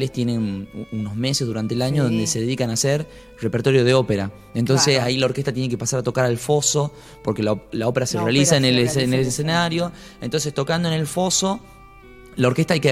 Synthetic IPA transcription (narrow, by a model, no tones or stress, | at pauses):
lest̪je̞ne̞nuno̞zme̞sezðuɾant̪eːlaɲoðo̞nd̪e̞se̞ðeðikanaseɾ | repeɾt̪o̞ɾjoð̞eo̞peɾa | ent̪o̞nsesailao̞ɾkest̪at̪jenekepasaɾat̪o̞kaɾalfo̞so̞ | po̞ɾkelao̞pe̞ɾaserealisaenelnelesenaɾjo̞ | ent̪o̞ns̬est̪o̞kand̪oene̞lfo̞so̞ | lao̞ɾke̞st̪ajke